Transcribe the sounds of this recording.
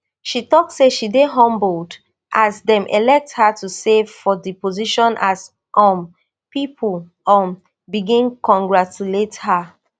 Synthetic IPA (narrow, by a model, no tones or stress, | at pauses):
ʃitɔk̚seʃideɦɔ̃mbld | ʔasdɛ̃mʔɛ̰lɛk̚thatusevfɔdipoziʃɔ̃nʔas | ʔɔ̃m | pipʰul | ɔ̃m | biɡĩnkɔ̃ŋɡɹat͡ʃuletha